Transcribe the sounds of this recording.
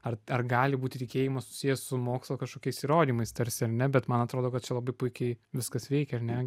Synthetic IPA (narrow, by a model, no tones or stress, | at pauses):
ɐrɐrɡɑːlʲɪbuːt̪ʲɪtʲɪkʲeːjɪmɐssʊ̥sʲijɛssʊmoːkslˠokɐʃkoːkʲɛɪsiːɾoːd̪ʲiːmɐɪst̪ɐɾʲsʲɪɐrnʲɛbʲɛt̪mɐnɐt̪ɾoːd̪oːkɐt̪t͡ʃʲɛlˠɐbɐɪpʊɪkʲɛɪʋʲɪskɐsʋʲɛɪkʲɛɐɾnʲɛ